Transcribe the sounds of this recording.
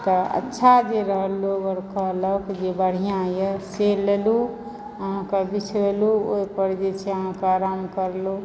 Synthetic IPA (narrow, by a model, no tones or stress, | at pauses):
t̪ɔə̰tːʃʰad͡ʒeɾəɦəloɡəɾkəɦləkd͡ʒebəɽ̤ijãjəselelu | əɦãkabit͡ʃʰɾeluoipəɾd͡ʒet͡ʃʰeəɦãkaaɾamkəɾlu